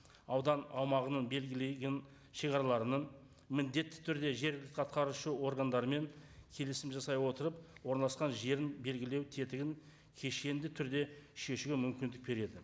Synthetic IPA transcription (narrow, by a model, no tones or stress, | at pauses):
ɑwd̪ɑnɑwmɑʁənəɴbe̞lɡʲɪleɡʲen | ʃeʁɑɾɑlˠɑɾənəɴ | mɪnd̪e̞t̪ːɪ̥t̪ʰʏɾd̪e̞ʒe̞ɾɡʲɪlɪk̪ʰɑt̪̚qʰɑɾuʃəwo̞ɾɡand̪ɑɾəme̞ŋkʲʰe̞lɪsɪmʒɑsɑjwo̞t̪əɾəpwo̞ɾnlˠɑsqɑnʒe̞ɾɪnbe̞lɡʲɪle̞wt̪ʰe̞t̪ɪɡʲɪŋ | kʲʰe̞ʃe̞nd̪ɪt̪ʰʏɾd̪e̞ʃe̞ʃɡʲɪmʏmkʲɪnd̪ɪk̚be̞ɾe̞d̪ɪ